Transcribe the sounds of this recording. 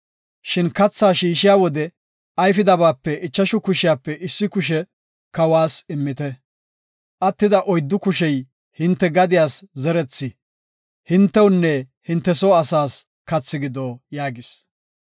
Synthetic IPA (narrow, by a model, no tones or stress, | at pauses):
ʃɪnkɐt͡sːaːʃiːʃɪjaːwɔd̪ɛ | ɐjfɪd̪ɐbaːpːɛɪt͡ʃːɐʃʊkʊʃɪjaːpːɛʔɪsːɪkʊʃ̬ɛ | kɐwaːsɪmːɪt̪ɛ | ʔɐt̪ːɪd̪ɐʔɔjd̪ːʊkʊʃɛj | hɪnt̪ːɛɡɐd̪ɪjaːszɛɾɛt͡sːɪ | hɪnt̪ːɛwʊnːɛhɪnt̪ːɛsoːɐsaːs | kɐt͡sːɪɡɪd̪oːjaːɡɪs